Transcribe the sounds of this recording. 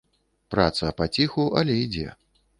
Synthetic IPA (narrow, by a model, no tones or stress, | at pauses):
pɾa̰t̪sɐpat͡sʲixuʔɐlʲɛid͡zʲɛ̰